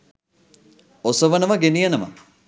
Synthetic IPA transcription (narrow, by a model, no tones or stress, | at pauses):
osəʋənəʋəɡenijənəmə̰